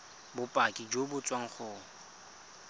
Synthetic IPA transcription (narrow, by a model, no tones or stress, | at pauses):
bʊpʼakʼid͡ʒobʊt͡sʼwaŋ̩χʊː